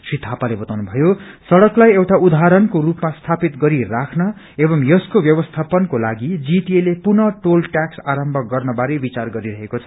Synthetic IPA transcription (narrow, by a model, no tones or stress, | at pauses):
srit̪ʰːapalebʌt̪awnubʱʌjosʌɽʌklajewʈaud̪aaɾʌnkorupmast̪ʰapit̪ɡʌɾirakʰnʌ | ebʌmjʌskobjʌbʌst̪ʰapʌnkolaɡid͡ziʈielepunʌʈolʈjaksaɾʌmbʱʌɡʌrnʌbaɾebit͡sarɡʌɾiɾʌɦekot͡sʰʌ